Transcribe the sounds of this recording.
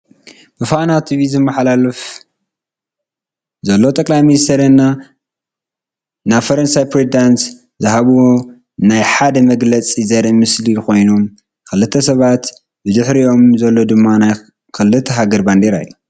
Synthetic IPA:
bɨfanat̪ʰiβizɨmːɐħlalɨf | zɐlːo̞t̪ʼɐkʼlajminist̪ʰɐɾɨnːa | naβfɐɾɐnsajpɾezd̪ans | zɨɦaβuwo | najħad̪ɐmɐɡlɐt͡sʼizɐɾimɨsliko̞jno̞m | kɨlːɨt̪ʰːɐsɐβat̪ | bɨd̪ɨħɾijo̞mzɐlːo̞d̪ɨmːanaj | kʰɨlɨt̪ʰːɐɦaɡɐɾband̪eɾa̰jːu

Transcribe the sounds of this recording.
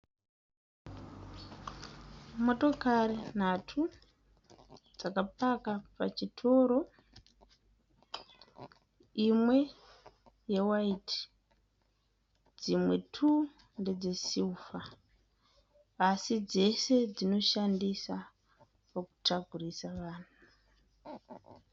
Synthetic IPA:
mo̞to̞kaɾen̤atʰu | d͡zakapakapat͡ʃitʰo̞ːɾo̞ | imwe̞ | je̞waiti | d͡zimwe̞tʰu | nde̞d͡ze̞siufa | sid͡ze̞se̞d͡zino̞ʃandisa | paku̥taɡʱurisaʋaːn̤u

